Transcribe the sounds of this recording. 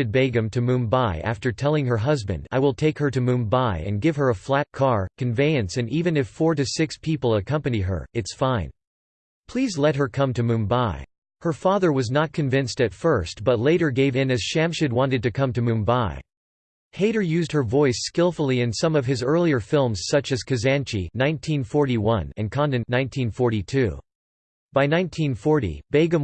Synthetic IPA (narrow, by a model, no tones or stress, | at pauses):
ɨd̚beɪɡɨ̃mtʰɨmũmbaɪʔæ̰ftə˞tʰɛlˠɪ̃ŋə˞ɦʌzbɨ̰̃nda̰ɪwəlˠtʰeɪkhə˞ɾɨmũvbaɪɨ̰̃nɡɪv̥ə˞əflæt̚kʰɑɹkʰɨ̃ɱveɪɨ̃nsɨ̃nivɨ̃nɨfɔɹɾɨsɪkspʰipl̩ˠəkʰʌ̃mpɨniɦə̰˞ɨtsfãɪ̃n | pʰl̥izlɛt̚ɦə˞kʰʌ̃mtʰɨmũmbaɪ | hə˞fɑðə˞wʌznət̚kʰɨ̃ɱvɪ̃nstɨtfɜ˞st̚b̥ʌtˡleɪɾə˞ɡeɪvɪ̃nɨz̥ʃæ̃mʃɨd̚wɑ̃ntɨd̚tɨkʰʌ̃mtɨmũnbaɪ | heɪɾə˞jʉzd̚hə˞vɔɪskɪlˠfl̩ˠiɨ̃nsʌ̃mʌv̥ɨzɜ˞lˠiə˞fɪlˠmz̥sʌt͡ʃɨz̥kʰɨzæ̃nt͡ʃinãɪ̃ntʰĩnfɔɹɾiwʌ̰̃nɨ̰̃nkʰɑ̃ndɨ̃nnãɪ̃ntʰĩnfɔɹɾitʰʉ̰ | b̥aɪnãɪ̃ntʰĩnfɔɹɾḭb̥eɪɡɨ̃m